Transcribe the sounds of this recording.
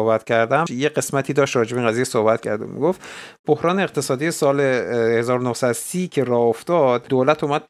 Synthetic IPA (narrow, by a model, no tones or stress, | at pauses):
ohbæt̪ʰcʰæɾd̪æmjeɢe̞smæt̪ʰiːd̪ɒːʃt̪ɾɒːd͡ʒebeinʁæziːjesohbæt̪cʰæɾd̪umḭɡoft̪b̥ohɾɒːneːqt̪ʰe̞sɒːd̪ijesɒːlehe̞zɒːɾonohsæd̪osiːcʰe̞ɾɒːoft̪ɒd̪̥d̪oːlæt̪ʰuːmæd̪̥̚